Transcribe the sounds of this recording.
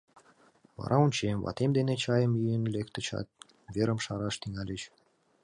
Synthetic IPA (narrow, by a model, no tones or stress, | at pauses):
βɑ̰ɾʔɑunt͡ɕemvɑ̰t̪emd̪enet͡ɕɑjəmjyjənlek̚t̪ə̆t͡ɕɑ̰t̪̚ | βeɾəmʃɑɾɑʃt̪iŋælʲet͡ɕ